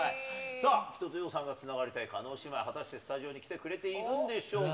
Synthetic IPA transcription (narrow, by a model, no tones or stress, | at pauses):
aisaːçʲi̥t̪o̞t͡sɨjo̞ːsãŋɡat͡sɨnaɡaɾʲit̪aikano̞ːɕimaiɦat̪aɕi̥t̪e̞sɨ̥t̪aʑio̞ːɲ̟ikʲi̥t̪e̞kɯ̟ɾe̞t̪e̞imɯ̟̃nd̪e̞ɕo̞ː